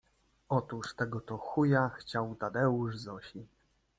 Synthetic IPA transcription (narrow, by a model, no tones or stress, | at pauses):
ɔt̪uʂt̪ɛɡɔt̪ɔxujaxt͡ɕawt̪ad̪ɛuʐzɔɕi